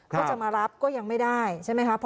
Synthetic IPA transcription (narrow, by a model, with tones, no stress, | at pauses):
kʰːt͡ɕa˨˩maː˧ɾa˦˥p̚kɔː˥˩ja˧ŋma˥˩jdaː˥˩jt͡ɕʰa˥˩jma˦˥jkʰpʰ